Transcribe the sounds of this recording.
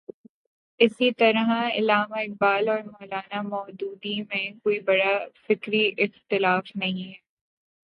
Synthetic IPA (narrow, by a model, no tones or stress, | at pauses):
ɪsit̪ɐɾɦãɪ̰laːmaɪq̚baːlɔːɾmɔːlaːnamɔːd̪uːd̪imẽkoːibɐɽafɪkɾiʔɪxt̪ɪlaːfnɐɦĩɦɛː